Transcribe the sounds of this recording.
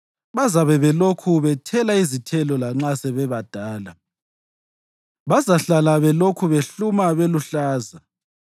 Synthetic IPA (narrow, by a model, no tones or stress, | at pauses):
βazaβɛβɛlokʰuβɛtʰɛlaizitʰɛlɔlaŋ͡ǁasɛβɛβad̥ʱaːla | βazaɬalaβɛlokʰuβeɬumaβeluɬaːza